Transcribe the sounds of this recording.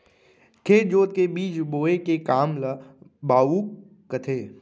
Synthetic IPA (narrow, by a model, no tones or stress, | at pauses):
kʰeːt̪d͡ʒoːt̪kebiːt͡ʃboːekekaːmlabaːuː | kət̪ʰeː